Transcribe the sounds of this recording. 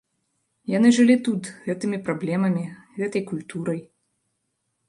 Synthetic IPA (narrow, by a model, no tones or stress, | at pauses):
janɨʐɨlʲit̪ut̪ɣɛt̪ɨmʲipɾablʲɛmɐmʲiɣɛt̪ɐjkulʲt̪uɾɐj